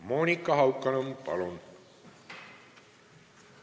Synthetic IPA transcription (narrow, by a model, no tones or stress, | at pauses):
moːnikːɑɦɑwkːɑnompɑ̰lon